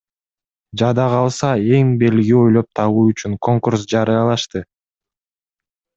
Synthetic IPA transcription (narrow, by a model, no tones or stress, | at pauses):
d͡ʒɑd̪ɑʁɑlˠsɑe̞ŋbe̞lɡio̞jlˠop̚t̪ʰɑβuːyt͡ʃyŋkʰo̞ŋkursd͡ʒɑɾɯjɑlˠɑʃt̪ɯ